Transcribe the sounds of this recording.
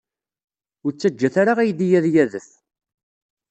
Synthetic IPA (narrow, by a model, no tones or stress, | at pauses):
ʊɾt͡sːæd͡ʒːæθaɾaʁæjəd̪ijæðjæðəθ